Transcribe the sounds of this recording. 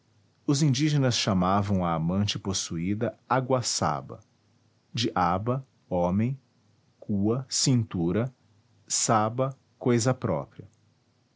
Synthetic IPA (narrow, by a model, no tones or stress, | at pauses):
ʊzĩd͡ʒiʒenɐsʃamavɐ̃w̃ɐːmɐ̃nt͡ʃɪposuid̪ɐaɡwɐsa̰bɐ̰ | d͡ʒɪʔabɐ | õmẽj̃ | kuɐsĩnt̪uɾɐ | sabɐ | kojzɐpɾɔ̰pɾiɐ